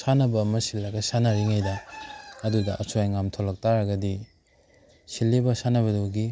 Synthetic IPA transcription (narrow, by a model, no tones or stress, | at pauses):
sanɐbɐːmɐsilːɐɡɐsanɐɾiŋajdɐɐdudɐʔɐsojŋamtʰolɐk̚taɾɐɡɐdi | silːebɐsanɐβɐduɡi